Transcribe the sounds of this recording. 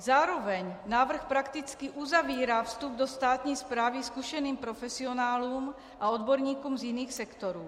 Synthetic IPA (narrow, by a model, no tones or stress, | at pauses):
zaːɾovɛɲnaːvr̩xpɾakt̪it͡skiʔuzaviːɾaːfst̪ub̚d̪ost̪aːt̪ɲiːspɾaːviskuʃɛniːmpɾofɛsionaːluːm | ʔaod̪boɾɲiːkumzjiniːxsɛkt̪oɾuː